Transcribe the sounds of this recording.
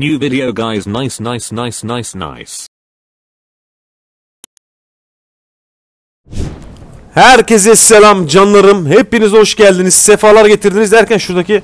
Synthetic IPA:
njʉːvɪɾioʊɡaɪznaɪsnaɪsnaɪsnaɪsna̰ɪs | hæɾcezɛselʲamd͡ʒanlˠaɾɯmhepːinizhoʃɟælʲd̪iniz̥sefaːlˠaɾɟe̞t̪ʰiɾd̪inizd̪æɾcænʃuɾd̪aci

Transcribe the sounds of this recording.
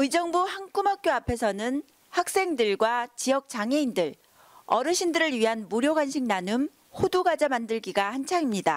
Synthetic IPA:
ɯid͡ʑʌŋbuhaŋk͈umɦak̚k͈joapʰe̞sʰʌnɯn | hak̚s͈e̞ŋdɯɭɡwat͡ɕijʌk̚t͡ɕ͈aŋɦe̞indɯɭ | ʌɾɯɕʰindɯɾɯɭɥiɦanmuɾjoɡanɕʰiŋ̚nanɯm | hoduɡad͡ʑamandɯɭɡiɡahant͡ɕʰaŋimɲida

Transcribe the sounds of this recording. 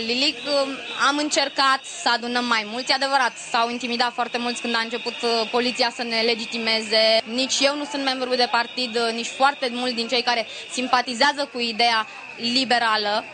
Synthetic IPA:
lilikamɨnt͡ʃe̞rkat̪səad̪unəmːajmult̪sʲad̪e̞vəɾat̪sawint̪imid̪at̪foart̪e̞mult̪sʲkɨnd̪aɨnt͡ʃe̞put̪po̞lit̪sijasəne̞le̞d͡ʒit̪ime̞ze̞nit͡ʃʲje̞wnusunt̪membɾud̪e̞part̪id̪nit͡ʃʲfoart̪e̞mult̪d̪int͡ʃe̞jkaɾe̞ | simpat̪izeazəkuid̪e̞ja | libe̞ɾalə

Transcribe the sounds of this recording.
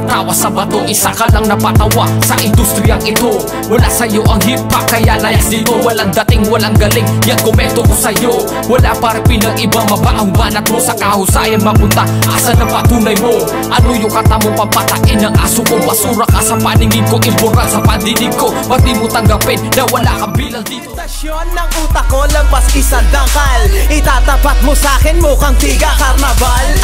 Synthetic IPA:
t̪awasɐbɐt̪oʔisakalɐŋnɐpat̪awasɐʔɪnd̪ust̪ɾɪjaŋɪt̪o | wɐlasɐjoʔɐŋɦipakajalajait̪owɐlaŋd̪ɐt̪ɪŋwɐlaŋɡɐlɪŋjankomɛnt̪okosɐjo | wɐlapaɾapilɐŋʔɪbaŋmɐbaʔaɡanɐt̪̚mosɐkahausajanmɐpʊnt̪aʔasanɐpat̪uːnajmo | ʔɐnojokɐt̪amopɐpɐt̪ɐʔinɐŋʔa̰ːsʊkoŋmɐsuːɾɐk̚asɐpɐnɪŋɪn̚koʔɪbʊɾasɐpɐnd̪inɪɡ̚kopɐt̪imot̪ɐŋɡapɪnːɐwɐla̰kɐbiːlɐŋd̪iːt̪ot̪ɐsjonːɐŋʔuːt̪ɐkolɐpaskɪsad̪akalɪt̪aːt̪ɐpat̪̚mosaːkɪnmokɐŋt̪iɡɐkɐɾnɐbal

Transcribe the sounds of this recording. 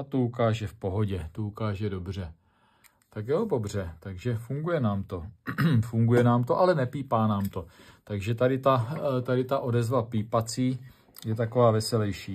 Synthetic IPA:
at̪oukaːʒɛfpo̞ɦo̞ɟɛt̪oukaːʒɛdo̞br̝ɛ | t̪akjobobr̝ɛt̪aɡʒɛfuŋɡujɛnaːmt̪o̞fuŋɡujɛnaːmt̪oʔalɛnɛpiːpaːnaːmt̪o̞t̪aɡʒɛt̪adɪt̪at̪adɪt̪aʔo̞dɛzvapiːpat͡siː | jɛt̪ako̞vaːvɛsɛlɛjʃiː

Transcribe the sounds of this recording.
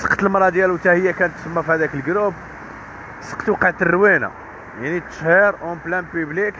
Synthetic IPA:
sə̥qt̪əlmɾˤɑd̪jælwt̪æhəjːækænət̪ːsəmːæfihæd̪ækəlɡɾub | sə̥qt̪wəqːəʕt̪ərːwina̰ | jaʕnit̪ʃhiɾˤʔomplænpyblik

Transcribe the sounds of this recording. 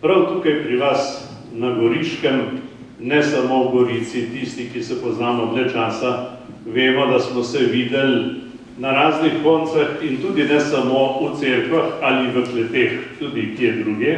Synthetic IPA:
pɾawt̪uːkajpɾiʋas | nɐɡɔɾiːʃkəm | nɛsamowɡɔɾiːt̪sit̪ist̪ikisɛpɔznaːmɔblɛt͡ʃaːsa | ʋeːmɔd̪asmɔsɛʋiːd̪ɛl | naɾaːznixkɔnt̪sɛxint̪uːd̪inɛsɐmout̪seːɾkʋaxaliʋəklɛt̪eːxt̪uːd̪ikiɛd̪ɾuːɡɛ

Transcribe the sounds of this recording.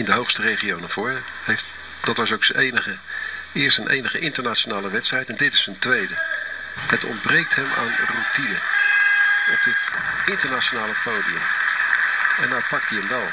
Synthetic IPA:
ɪndəɦowχstərejχiownav̥ʊːrə | ejf | d̥ɑtʋɑsowksəenəχə | ɪːɹstənʔḛjnəχəʔɪntəɹnat͡ʃonaːləʋɛtstrɛjtɛndɪtɪ̥səntʋejdə | ɦətɔ̰ndbrejk̚tɦɛmʔa̰ːnrutinə | ɔp̚dɪtɪntəɹnaonaːləpowdiə̰m | ɛndɔt̚pɑk̚tiɦəmʋɛlˠ

